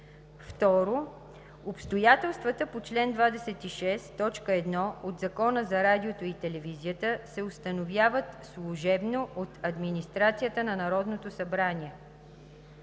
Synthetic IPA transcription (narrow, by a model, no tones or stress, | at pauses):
ft̪ɔɾo | opst̪ojat̪ɛlˠst̪vət̪əpot͡ʃlɛnd̪vad̪ɛsɛt̪iʃɛst̪ɔt͡ʃkəɛd̪nɔod̪zɐkɔnəzɐɾad̪iot̪oit̪ɛlɛvizijət̪əsɛost̪ənovʲjavət̪slˠuʒɛbnoʔot̪ɐd̪minist̪ɾat̪sijət̪ənɐnɐɾɔd̪not̪osɐbɾanʲiɛ